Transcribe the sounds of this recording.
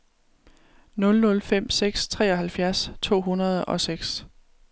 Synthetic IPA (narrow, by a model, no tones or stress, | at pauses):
nɔ̽lnɔ̽lfem̰seɡ̥st͡sʰʁɛ̰ːɒ̽ɦælfjæɐst͡sʰo̝̰ːɦunɐð̞ˠɒ̽seɡ̥s